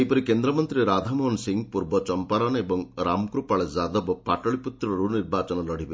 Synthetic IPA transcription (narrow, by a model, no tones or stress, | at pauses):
ejpɔɾikend̪ɾɔmɔnt̪ɾiɾad̪ʱamɔnsiŋpuɾbɔt͡ʃɔmpaɾanebɔŋɾamkɾupaɭezad̪ɔbɔpaʈɔɭiput̪ɾɔɾuniɾbat͡ʃɔnɔlɔɽ̤ibe